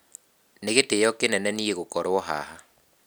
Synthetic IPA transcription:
neɣetejɔkenɛnɛnieɣokɔɾwɔɦa̰ha

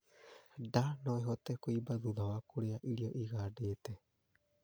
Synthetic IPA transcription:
danoeɦot̪ekoibaðuðawakuɾeaʔiɾioʔiɣaɖet̪e

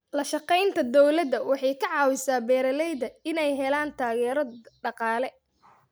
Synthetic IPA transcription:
lɐʃɑqɛjnt̪ʰɐd̪ɔwlɐd̪ɐwɑħɑjkʰɐʕɑːwɪsaːbɛːɾɐlɛjðɐɪnɛjɦɛlaːnt̪ʰaːɣɛːɾɔɖɑqɑːlɛ

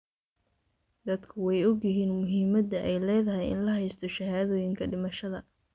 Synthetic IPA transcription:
d̪ɐd̪kʰʊwɛjɔɡjɪɦiːnmʊɦiːmɐd̪ɐʔɛjlɛːðɐɦɛjɪ̰nlɐɦɛjst̪ʰɔʃɐɦaːðɔːjɪŋkʰɐɖɪmɐʃɐðɐ

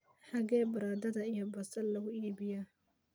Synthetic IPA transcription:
ħɑɣɛːbɐɾaːd̪ɐðɐijɔbɐsɐlɐɣʊiːβɪjɐ

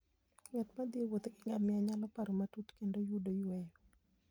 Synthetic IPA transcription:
ŋat̪mad̪iwot̪kɪŋɡamɪaɲalɔpaɾomatut̪kendojudojwɛjɔ

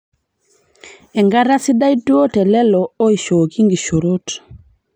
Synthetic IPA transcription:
eŋɡaɾasidajduotelelooiʃoɡiŋɡiʃoɾot

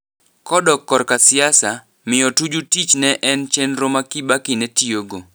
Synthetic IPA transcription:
kɔdɔkːɔrkasɪasa | mɪjɔtud͡ʒutit͡ʃnɛʔɛnt͡ʃɛnɾomakibakɪnɛtioɡo

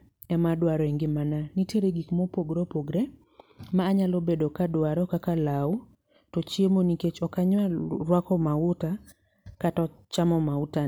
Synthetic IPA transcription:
ɛmadwaɾɔeŋɡɪmananiteɾeɡikmɔpoɡɾopoɡɾe | maːɲalobedokadwaɾɔkakalau | tɔt͡ʃjemoniket͡ʃɔkaɲwaɾwakɔmaʊta | katɔ | t͡ʃamɔmauta

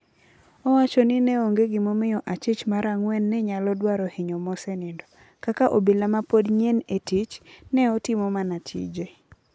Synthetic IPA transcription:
ɔwat͡ʃɔnɪnɛoŋɡeɡɪmomɪjɔʔat͡ʃɪt͡ʃmaɾaŋwɛnːɛɲalɔdwaɾɔhɪɲɔmɔsɛnɪndɔ | kakaʔobelamapodɲɛnetit͡ʃnɛɔtɪmɔmanatʰḭd͡ʒe

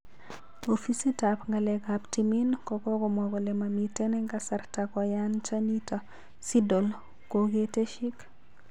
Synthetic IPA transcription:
ofisitapŋɡalɛkaptiminkɔkɔkɔmoɡɔlemamitenɛŋɡasaɾtakɔjant͡ʃanita | sidol | koɡeteʃik

